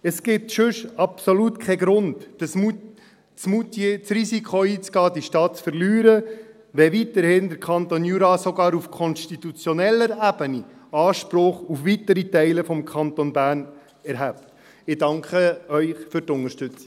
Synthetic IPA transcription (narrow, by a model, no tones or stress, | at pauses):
əsɡ̥ɪtʃøʃɑpsolutkʰɛɡɾʊndəsmu | t͡smutt͡sɾisikʰχoiːt͡sɡ̥ɑːdiʃtɑːtt͡sfəɾlyːɾə | ʋɛʋitəɾhɪndəɾkʰɑntonjuɾɑsɔɡɑːɾufkʰɔnstit̪ut͡sjɔnɛlːəɾæbəniɑːʃpɾɔχufʋitəɾitɛɪləfɔmkʰχɑntonbæːɾn | ɛɾɦæp̚t | ɪdɑŋkχəœʏχfʏɾtʊnəɾʃtʏt͡si̥